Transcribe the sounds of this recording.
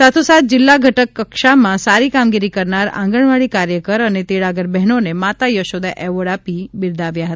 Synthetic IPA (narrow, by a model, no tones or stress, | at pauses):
sat̪ʰosat̪̚d͡ʒɪlːaɡʱəʈəkːəkʃamãsaɾikamɡiɾikəɾnaɾã̰ŋɡəɳ̃ʋaɭikaɾjəkəɾənet̪eɭaɡəɾbɛɦnonemat̪ajəʃod̪aʔɛʋəɽapibɪɾd̪ʱaʋjaɦət̪aa